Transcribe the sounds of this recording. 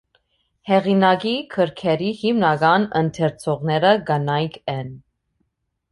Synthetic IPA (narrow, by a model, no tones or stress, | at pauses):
hɛʁinɑɡikʰəɾkʰɛɾihimnɑɡɑnənt̪ʰɛɾt͡sʰɔʁnɛɾəɡənɑjkʰɛn